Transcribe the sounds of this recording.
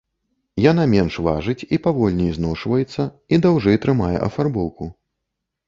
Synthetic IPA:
janamʲɛnʂva̰ʐɨt͡sʲipavɔlʲnʲijznɔʂvɐjɛt̪sːɐ | id̪awʐɨt̪ɾɨmajɛ̰ʔɐ̰farbɔwku

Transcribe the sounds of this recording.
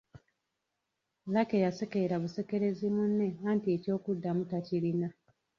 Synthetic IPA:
lake̞jase̞keiɾaβuse̞ke̞ɾe̞zimunːe̞aːntie̞co̞ːkudːamutacilina

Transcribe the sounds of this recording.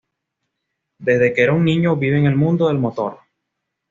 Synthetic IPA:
d̪e̞zðe̞keɾauŋnĩɲoβiβeŋe̞lmũnd̪o̞ðe̞lmo̞t̪o̞̰ɾ

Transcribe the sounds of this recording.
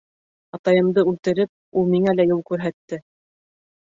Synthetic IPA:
ɑt̪ɑjɤ̆md̪ɤʉlt̪ɘ̆ɾɘp̚ulˠmiŋælæjulˠkʉɾɦæt̪ːɘ

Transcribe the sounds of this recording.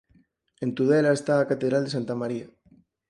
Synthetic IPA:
ent̪uðelaest̪aːkat̪eðɾald̪eant̪amaɾia

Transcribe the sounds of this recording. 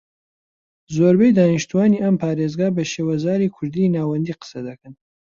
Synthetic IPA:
zoːɾbejd̪aːniʃt̪uwaːniːʔɐmpʰaːɾezɡaːbɐʃewɐzaːɾiːkʰʊɾd̪inaːwɐnd̪iːqə̥sɐd̪ɐkɨn

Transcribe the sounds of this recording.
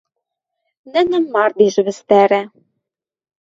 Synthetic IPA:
nɘ̆nɘ̆mːɑrd̪iʒɘ̆βɘ̆st̪æɾæ

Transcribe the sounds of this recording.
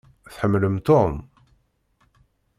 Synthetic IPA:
θħəmːləmt̪om

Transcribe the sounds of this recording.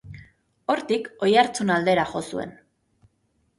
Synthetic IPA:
o̞ɾt̪iko̞jaɾt͡sunald̪e̞ɾaʝo̞sue̞̰n

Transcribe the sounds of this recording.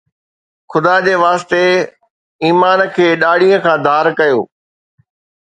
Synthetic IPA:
xʊd̪ad͡ʑeːʋaːst̪e | iːmaːnkʰeːɗaːɽijə̃kʰãːd̪ʱaːɾkɐjoː

